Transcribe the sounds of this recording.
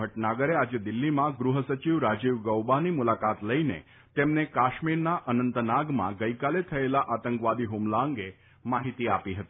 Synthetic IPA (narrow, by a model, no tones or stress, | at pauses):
əʈnaɡəɾead͡ʒed̪ɪlːimãɡɾuɦəsət͡ʃiʋɾad͡ʒiʋɡəwbanimulakat̪ləinḛ | t̪emnekaʃmiɾnaʔənənt̪ənaɡmã̰ɡəikalet̪ʰəelaʔat̪əŋkʋad̪iɦumlaəŋɡe | maɦit̪iapiɦət̪i̥